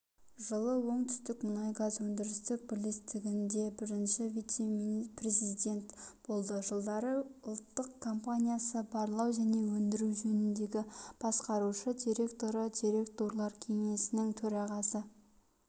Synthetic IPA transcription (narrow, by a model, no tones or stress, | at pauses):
ʒəlˠəwo̞ɴt̪ʰʏ̥st̪ɪkmʊnajɡazwɵnd̪ɪɾɪst̪ɪpʰolist̪ʰɪɡʲɪnd̪e̞bɪɾɪnʃɪvijt̪semprezid̪e̞nt̪b̥o̞lˠd̪əʒəlˠd̪ɑɾəʊlˠt̪ːəqkʰːo̞mpanʲijasəbɑɾlˠɑwʒæne̞wɵnd̪ɪɾuwʒɵnɪnd̪e̞ɡʲɪb̥ɑsqɑɾuʃəd̪ʲijɾe̞kt̪o̞ɾəd̪iɾe̞kt̪o̞ɾlˠɑɾkʲʰe̞ŋe̞sɪnɪŋt̪ʰɵɾɑʁɑsə